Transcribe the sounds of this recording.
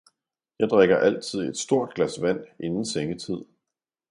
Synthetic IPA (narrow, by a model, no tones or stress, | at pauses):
jɑ̈ɪd̥ʁeɡ̥ɐʔæl̰t͡sʰið̞̰ˠe̝d̥sd̥o̝ɐ̰d̥̚ɡ̥læsʋæn̰ʔe̝nn̩seŋət͡sʰið̰ˠ